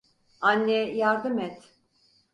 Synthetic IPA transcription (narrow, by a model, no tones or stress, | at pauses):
anːɛjaɾd̪ɯmɛt̪